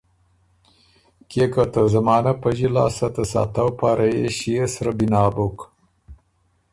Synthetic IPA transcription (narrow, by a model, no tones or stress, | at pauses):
kekat̪əzɐmɑːnapəʒilɑ̰ːsat̪əsɑ̰ːt̪awpaɾʔajeʃijesɾabinɑːbok